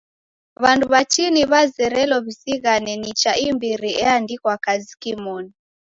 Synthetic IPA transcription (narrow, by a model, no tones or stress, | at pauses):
βanduβat͡ʃiniβazɛɾɛlɔβisiɣanɛnit͡ʃaʔimbiɾiɛandikwakazikimɔni